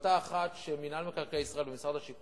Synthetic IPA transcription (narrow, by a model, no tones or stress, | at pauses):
t̪aːχat̪ʃeminalmekaʁkejisʁae̞lbemisʁad̪aʃik